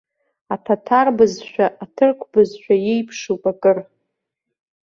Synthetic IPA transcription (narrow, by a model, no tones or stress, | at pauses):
atʰatʰarbɨzʃᶣaʔatʰɨrkʷʰbɨzʃᶣajejpʰʂupʼakʼɨr